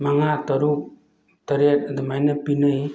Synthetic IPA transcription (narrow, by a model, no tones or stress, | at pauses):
maŋat̪ɔɾuk̚ | t̪əɾet̚d̪əmajnɯpinɯj